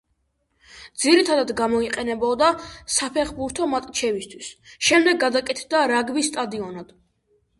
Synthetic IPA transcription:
d̪ziɾit̪ʰad̪ad̪ɡamɔiqʼɛnɛbɔd̪asapʰɛχbuɾt̪ʰɔmat̪ʼt͡ʃʰɛvist̪ʰwisʃɛmd̪ɛɡːad̪akʼɛt̪ʰd̪aɾaɡbist̪ʼad̪iɔnad̪̥

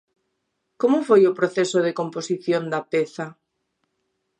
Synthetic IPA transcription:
komofojopɾoθesoð̞ekomposiθjond̪apeθa

